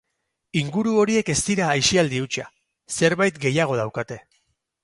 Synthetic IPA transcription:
iŋɡuɾuo̞ɾie̞ke̞st̪iɾaːjʃiald̪iut͡ʃa̰ | se̞ɾβajt̪ɡe̞jaɣ̞o̞ð̞awkat̪e̞

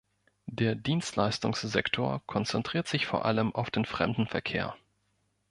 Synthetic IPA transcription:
deːɐdiːnstlaɪstʊŋszɛktʰoːɐkʰɔnt͡sɛntʁ̥iːɐtz̥ɪçfoːɐʔa̰ləmʔaʊfd̥eːnfʁ̥ɛ̰mdn̩fɛɐkʰḛːɐ

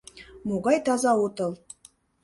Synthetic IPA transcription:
muɣɑjt̪ɑzɑut̪ɤ̆lˠ

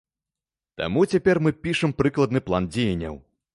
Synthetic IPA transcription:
t̪a̰mut͡sʲapʲɛrmɨpʲiʂɨmpɾɨklˠɐd̪nɨplˠand͡zʲejɐnʲːɐ̰w

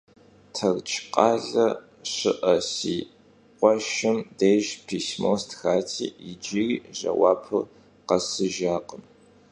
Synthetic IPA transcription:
tʰɐrt͡ʃʼʰqʼɑːɮɐ | ɕɪʔɐsiː | qʷɔʃɪmdejʒpʰiːsmostxaːtʰḭːid͡ʒiriːʒɐ̰wɑ̰ːpʰɨ | qɐsɨʒaːqʼəm

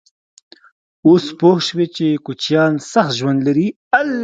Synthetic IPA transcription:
ospohʃwet͡ʃekut͡ʃjɑnsaxt̪ʒwand̪laɾi | al

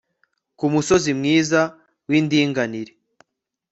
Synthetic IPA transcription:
kumuso̞zimŋiːza | windiːŋɡaniɾe

